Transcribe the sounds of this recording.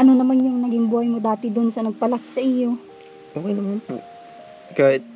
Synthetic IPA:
ʔɐnonɐmanjʊŋnɐɡɪŋbuːhɐjmod̪aːt̪ɪd̪onsɐnɐɡ̚pɐlak̚sɐʔɪjo̞ | ʔoːkɛjnɐmanpo̰ | kaːhɪt̪̚

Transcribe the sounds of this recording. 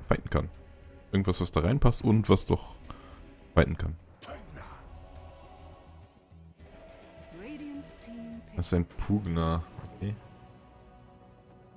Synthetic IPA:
vaɪtn̩kʰa̰n | ʔɪɡŋ̩tv̥asv̥asd̥aːʁaɪnpʰastʊntv̥asd̥ɔχ | vaɪtn̩kʰan | fa | ɹeɾiə̃ntʰːasɪ̥saɪnpʰuːɡnaokʰeː

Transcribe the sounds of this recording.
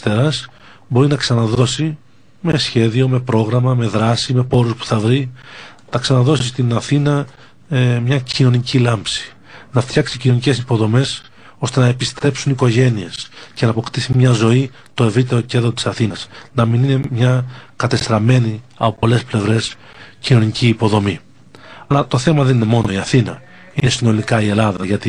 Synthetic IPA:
st̪eɾɐs | bo̞ɾinɐksɐnɐðo̞si | me̞sçe̞ðio̞me̞pɾo̞ɣɾɐmɐme̞ðɾɐsime̞po̞ɾuspu̥θɐvɾi | nɐksɐnɐðo̞sist̪inɐθinɐ | mɲɐcino̞nicilɐmpsi̥ | nɐft̪çɐksicinonice̞sipo̞ðo̞me̞s | o̞st̪e̞nɐe̞pist̪ɾe̞psuniko̞ʝe̞nie̞sce̞nɐːpo̞kt̪isimɲɐzo̞i | t̪o̞e̞vɾit̪eɾo̞ce̞nðɾo̞t̪isɐθinɐsnɐminine̞mɲɐkɐt̪e̞st̪ɾɐme̞ni | ɐpopo̞le̞sple̞vɾe̞s | cino̞niciːpo̞ðo̞mi | ɐlɐt̪o̞θe̞mɐðe̞nine̞mo̞no̞iɐθinɐ̰ | inesino̞likɐie̞lɐðɐʝɐt̪i

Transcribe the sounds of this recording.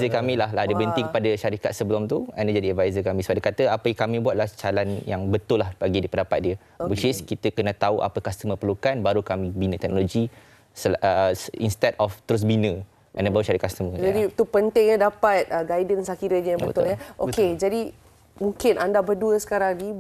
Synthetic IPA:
zəkamĩlaɦladəbənt̪iŋkəpadaʃaɾikat̪̚səbəlɔmt̪ua̰ndad͡ʒadiadvajzəkamĩsəbadəkat̪əapəjakamĩbwat̪̚laht͡ʃalanjaŋbət̪ʊlːahbaɡidipəndapat̪̚diə | bit͡ʃiskit̪əkənãt̪auʔa̰pəkast̪əmə̃pərlukanbaɾukamĩbinə̃t̪ɛk̚noloɡi | səəinst̪ɛdɔft̪əɾʊs̬binə | andabaɾuʃaɾikakst̪əməd͡ʒadit̪upənt̪ɪŋɲədapat̪̚əɡajdənsakiɾəɲəjabəbət̪ʊləʔoked͡ʒadi | mũŋkɪnʔandabəduəsə̥kaɾaŋni

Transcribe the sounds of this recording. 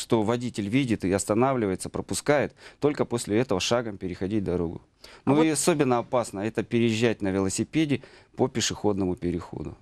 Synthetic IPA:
ʂt̪o̞vɐdʲitʲɪlʲvʲidʲɪt̪ɪɐst̪ɐnavlʲɪvəjɪt̪səpɾəpʊskajɪt̪ːo̞lʲkəpo̞sʲlʲɪɛt̪əvəʂaɡəmpʲɪɾʲɪxɐdʲit̚ʲd̪ɐɾo̞ɡʊ̰ | nuɪɐso̞bʲɪnːəɐpasnəɛt̪əpʲɪɾʲɪjɪʑːæt̚ʲnəvʲɪlˠəsʲɪpʲedʲɪpəpʲɪʂɨxo̞d̪nəmʊpʲɪɾʲɪxo̰d̪ʊ̰

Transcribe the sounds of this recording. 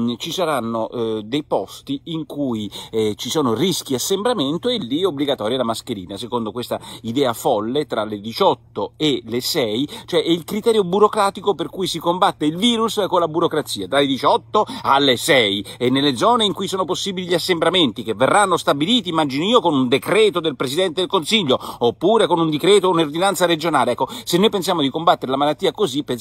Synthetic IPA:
t͡ʃisaɾanːod̪ejpɔst̪iiŋkujt͡ʃisɔːnorisk̟iasːembɾament̪oelːiobliɡat̪ɔːɾjalamaskeɾiːnasekond̪okwest̪aid̪ɛːafɔlːet̪ɾaled̪it͡ʃɔt̪ːoelesɛjt͡ʃoɛʔɛilkɾit̪ɛːɾjobuɾokɾaːt̪ikoperkujsikombat̪ːeilviːɾuskonlabuɾokɾat̪sːiːad̪alːed̪it͡ʃɔt̪ːoalːesɛjenːelːed̪zɔːneiŋkujsɔːnoposːiːbiliʎiasːembɾament̪ikevːerːanːost̪abiliːt̪iːmːad͡ʒinoiːokonund̪ekɾɛːt̪od̪elpɾesid̪ɛnt̪ed̪elkonsiʎːoopːuːɾekonund̪ikɾɛːt̪ounord̪inant̪saɾed͡ʒonaːleɛkːosenːojpensjaːmod̪ikombat̪ːeɾelamalat̪ːiːakozipːe

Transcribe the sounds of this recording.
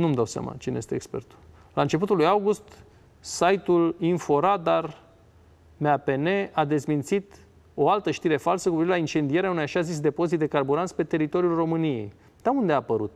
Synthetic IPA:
numd̪awsa̰ma̰t͡ʃinejest̪eekspe̞rt̪u̥ | lant͡ʃe̞p̬ut̪ulujawɡust̪ | sajt̪ulinfo̞ɾad̪ar | meape̞ne̞ad̪e̞smint̪sit̪ | o̞alt̪əʃt̪iɾe̞falsəkupivelaint͡ʃe̞nd̪ije̞ɾeaunejaʃazis̬d̪e̞po̞zit̪d̪e̞karbuɾant̪spe̞t̪e̞ɾit̪o̞ɾjulro̞mɨnije̞̰j | d̪̥aund̪e̞apəɾut̪

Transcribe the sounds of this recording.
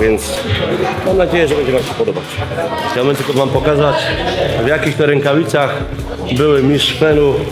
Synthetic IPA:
jɛnt̪smamnad͡ʑejɛʐɛbɛɲd͡ʑɛnamɕɛpɔd̪ɔbat͡ɕabɛɲd͡ʑɛt̪ɔvampɔkazat͡ɕvjakʲixt̪ɔɾɛŋkavʲit̪sax | bɘwɘmʲiʂfɛnu

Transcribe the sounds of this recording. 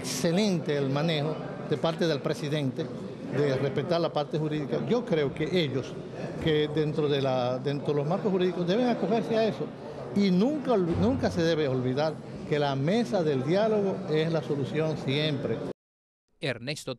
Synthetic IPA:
kse̞le̞nt̪e̞ːlmãne̞xo̞ | ðe̞paɾt̪e̞ð̞e̞lpɾe̞siðe̞nt̪e | d̪e̞respe̞t̪aɾlapaɾt̪e̞xuɾiðikaʝo̞kɾe̞oke̞ʔe̞ʎo̞s | keðent̪ɾoðelaðent̪ɾoelosmaɾkoshuɾiðiko̞sd̪e̞β̞e̞ŋako̞xe̞ɾseae̞so̞ | inũŋkanũŋkase̞ðe̞β̞eo̞lβiðaɾke̞lame̞saðe̞ld̪jalo̞ɣ̞o̞e̞slaso̞lusjo̞nsje̞mpɾe̞ | eɾnest̪o

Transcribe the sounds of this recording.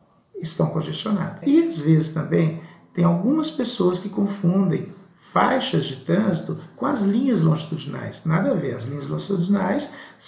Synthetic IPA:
ɪst̪ɐ̃w̃kõʒest͡ʃona̰d̪ɐiɐzvezɪst̪ɐ̃mbẽj̃t̪ẽj̃awɡũmɐspesoɐskɪkõfũnd̪ẽj̃ | fajʃɐzd͡ʒɪt̪ɾɐ̃zit̪ʊkõɐzlĩɲɐzlõʒit̪ud͡ʒina̰jsnad̪ɐveɾɐzlĩɲɐzlõʒit̪ud͡ʒinajs

